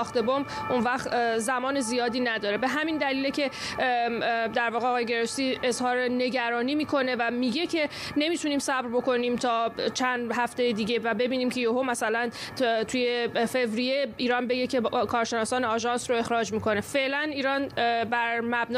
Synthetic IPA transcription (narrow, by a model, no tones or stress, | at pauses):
xt̪e̞bomb | ʔunvæχt̪zæmɒːne̞zijɒːd̪iːnæd̪ɒːɾe̞be̞ɦæmind̪æliːlecʰe̞ | d̪æɾvɒːɣeɒːɣɒːjeɡe̞ɾosiːe̞zhɒːɾene̞ɟæɾɒːniːmiːkʰo̞ne̞væmiːɟe̞cʰe̞ | ne̞mit̪ʰuniːmsæbɾbo̞ko̞niːmt̪ʰɒːt͡ʃʰænd̪ɦæft̪e̞jed̪iːɟe̞væbe̞biːniːmcʰe̞joɦomæsælænt̪ʰuje̞fe̞vɾijeiːɾɒːnbe̞ɡecʰe̞kʰɒːɾʃe̞nɒːsɒːneɒʒɒnsɾo̞e̞xɾɒːd͡ʒmiːkʰo̞ne̞fe̞ʔlæniːɾɒnbæɾmæbn